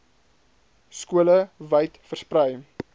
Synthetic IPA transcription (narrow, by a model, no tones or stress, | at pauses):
skuələvəjtfərsprəj